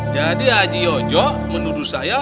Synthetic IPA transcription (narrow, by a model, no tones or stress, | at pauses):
d͡ʒadiad͡ʒiɔd͡ʒɔ | mənuɾusaja